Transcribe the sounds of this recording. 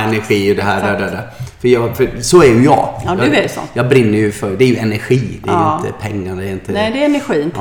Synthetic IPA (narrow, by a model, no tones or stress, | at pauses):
ɛnæɾɧiːɔd̪ɛɦæːdæd̪æd̪æfœɾjɑːfœɾsɔæɾjɵjɑ̰ːɡdesɔ̰jɑːɡbɾɪnːəɾjɵfœɾd̪ɛæɾjɵɛnæɾɧiːd̪ɛ̰ːjɪnt̪ə̰pʰɛŋːad̪ɛɾɪnt̪ənd̪ɛɛnæɧiː